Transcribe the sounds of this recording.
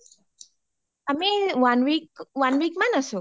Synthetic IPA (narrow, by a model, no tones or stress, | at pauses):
amiwanwikwanwik̚manasu